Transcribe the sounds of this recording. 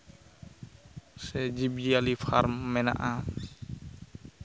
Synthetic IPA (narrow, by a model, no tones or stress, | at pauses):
sɛd͡ʒibd͡ʒialipʰaɾmːɛna̰ʔa